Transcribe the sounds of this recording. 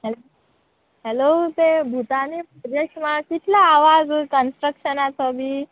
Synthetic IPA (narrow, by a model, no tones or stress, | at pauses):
ɦɛlo | ɦɛlot̪ebʱut̪anipəɾjəkʂmakit̪ʰlaːʋad͡zkənsʈɾəkʂənat͡sɔbʱiː